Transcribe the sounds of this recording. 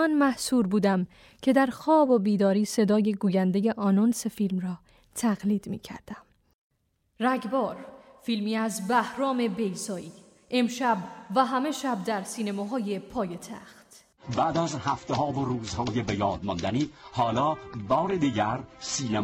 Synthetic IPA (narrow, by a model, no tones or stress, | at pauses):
ɒnmæhsuːɾbuːd̪æm | cʰe̞d̪æɾxɒːbo̞biːd̪ɒːɾiːse̞d̪ɒːje̞ɡuːjænd̪eje̞ʔɒnonsefilmrɒː | t̪ʰæɣliːd̪̥mḭːcʰæ̰ɾd̪̥æm | ræɡbɒːɾfilmiːæzbæhɾɒːme̞be̞jsɒːiː | ʔemʃæbvæɦæme̞ʃæb̚d̪æɾsiːnemɒːɦɒːjepʰɒːjet̪ʰæ̰xt̪ | bæːd̪æzhæft̪ehɒːvoɾuːzhɒːjebejɒːd̪̚mɒnd̪æniːhɒːlɒːbɒːɾed̪iːɟæɾsiːne